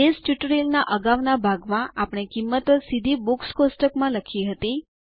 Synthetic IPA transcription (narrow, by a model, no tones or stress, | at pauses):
esʈuʈəɾelnaʔəɡaʋnabʱaɡmãʔapɽ̃ekimːət̪əsid̪ʱibukskosʈəkmãləkʰiɦət̪i